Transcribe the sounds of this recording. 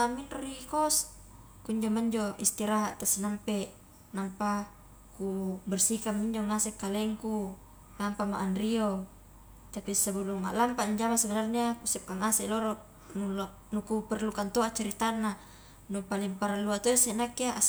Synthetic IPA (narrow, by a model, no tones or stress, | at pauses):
aminɾikɔs | kuɲd͡ʒomaɲd͡ʒoist̪iɾaɦaʔt̪asinampɛʔ | nampa | kubɛrsikamːiɲd͡ʒoŋasɛkalɛŋku | lampamaʔːnrio | t̪apisabuluŋa̰ʔlampaɲd͡ʒamasəɡalarɲakusɛp̚kaŋasɛlɔɾɔʔ | nul | nukupɛrlukant̪oat͡ʃaɾit̪anːa | nupaliŋpaɾaluat̪oisɛnakiaʔa